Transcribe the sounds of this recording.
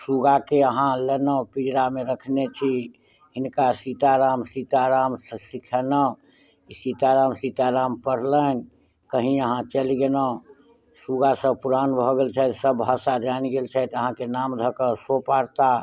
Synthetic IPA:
suɡakeəɦãlenəpid͡ʒɾameɾəkʰnet͡ʃʰi | ɦinkasit̪aɾamsit̪aɾamssikʰɛnə | isit̪aɾamsit̪aɾampəɽlən | kəɦĩəɦãt͡ʃəlɡenə | suɡasə̃puɾanbʱɔɡelt͡ʃʰɛt̪səbʱasad͡ʒanɡelt͡ʃʰɛt̪əɦãkenamd̪ʱəkəsopaɽt̪a

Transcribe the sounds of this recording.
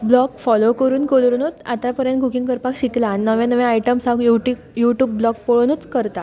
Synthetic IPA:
blɔkfɔlokəɾuːnkoɭɾnut͡sa̰t̪apəɾjə̃nkukiŋɡkəɾpakɕiklanːəʋẽnəʋẽaiʈəmsãɡjuʈi | juʈjuːbːlɔk̚poɭonut͡skəɾt̪a

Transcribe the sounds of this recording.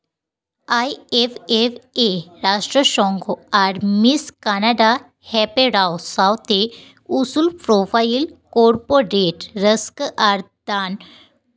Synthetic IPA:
ajefefeɾaʂʈɾəɕɔ̃ŋɡoaɾmiskanaɖa | hɛpeɾawsawt̪e | usulpɾofailkoɾpoɾeʈɾəskʔaɾ | d̪an

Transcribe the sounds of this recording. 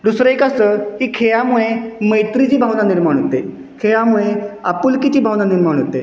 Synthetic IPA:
d̪usɾəekast̪əɦikʰeɭamuɭeməjt̪ɾid͡ʑiːbʱawnaniɾmaɳɦot̪e | kʰeɭamuɭea̰pulkit͡ɕiːbʱawnaniɾmaɳ̃ɦot̪e

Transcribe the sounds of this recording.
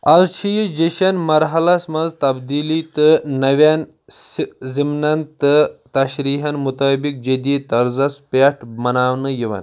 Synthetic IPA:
ɐzt͡ʃʰijid͡ʒeʃɐnmɐɾɦɐlɐsmɐnzt̪ɐbd̪iːlit̪ɨnɐʋʲan | zimnɐnt̪ɨt̪ɐʃɾiːɦɐnmut̪ɐːbik̚d͡ʒed̪it̪ɐɾzɐspeʈʰmɐnaːʋnɨjiʋɐ̰n

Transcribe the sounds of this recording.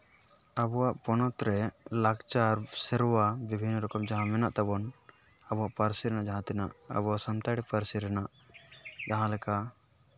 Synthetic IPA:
abɔwaʔpɔnɔt̪ɾɛlaɡt͡ʃaɾsɛɾɔwabibʱinːɾɔkɔmd͡ʒaɦãmɛnaʔt̪abɔn | abɔwaʔpaɾsiɾɛnaʔd͡ʒaɦãt̪ɛnaʔə̰bɔwaʔsamt̪aɽipaɾsiɾɛnaʔ | d͡ʒaɦãlɛka

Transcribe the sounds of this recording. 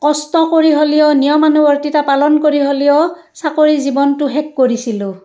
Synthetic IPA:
kɔstɔkoɹiɦolijɔnijɔmanubɔɹtitapalɔnkoɹiɦolijɔ | sakoɹizibɔntʊɦɛkːoɹisilʊ

